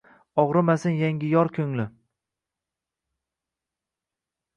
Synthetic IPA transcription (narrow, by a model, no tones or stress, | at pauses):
ɒʁɾɪmasɪnjaŋʲɪjɒɾkʲʰɵŋlɪ